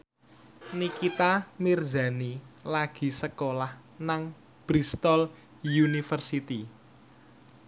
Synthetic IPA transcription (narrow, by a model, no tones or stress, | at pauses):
nikit̪amird͡ʒa̤nilaɡ̥i̤səkolah | naŋ | b̥ɾist̪ɔl | junifərsit̪i